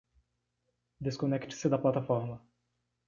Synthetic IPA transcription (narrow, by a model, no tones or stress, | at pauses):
d̪eskonɛkt͡ʃɪ̥sɪd̪ɐplat̪afɔɾmɐ